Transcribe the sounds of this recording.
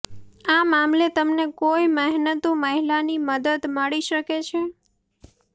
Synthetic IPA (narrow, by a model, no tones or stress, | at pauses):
amamlet̪əmnekojməɦnət̪oməɦilaniməd̪əd̪məɭiʃəket͡ʃʰe